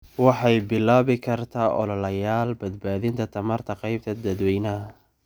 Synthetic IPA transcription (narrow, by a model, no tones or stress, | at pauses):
wɑħɑjbɪlːaːβɪkʰɐrt̪ʰaːʔɔ̰lɔlɐjaːlbɐd̪̚baːðɪnt̪ʰɐt̪ʰɐmɐrt̪ʰɐqɑjb̚t̪ʰɐd̪ɐd̪wɛjnɐ